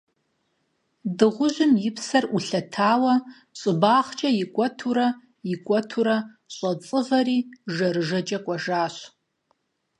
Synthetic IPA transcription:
dɨʁʷʊʒʷʊmjɪpʰsɐruɬɐtʰaːwɐ | ɕʼɨbaːχt͡ʃʼɐjɪkʷʼɔtʰuɾɐ | ɪkʷʼɔtʰuɾɐ | ɕʼɐt͡sʼɨʁɐriːʒɐrɨʒɐt͡ʃʼɐkʷʼɐʒaːɕʷ

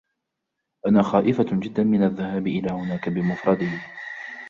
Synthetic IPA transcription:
ʔanaːxaːʔɪfad͡ʒɪd̪ːamɪnaðːahaːbʔɪlaːhʊnaːkabɪmʊfɾˤɑd̪ɪh

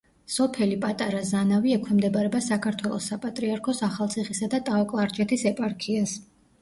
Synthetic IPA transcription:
sɔpʰɛlipʼat̪ʼaɾazanaviɛkʰwɛmd̪ɛbaɾɛbasakʰaɾt̪ʰwɛlˠɔ̰sːapʼat̪ʼɾiaɾkʰɔsaχalˠt̪sʰiχisad̪at̪ʼawkʼlˠaɾt͡ʃʰʼɛt̪ʰisɛpʼaɾkʰias

